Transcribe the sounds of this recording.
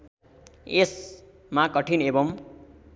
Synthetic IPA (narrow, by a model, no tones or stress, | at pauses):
es | makʌʈʰinebʌm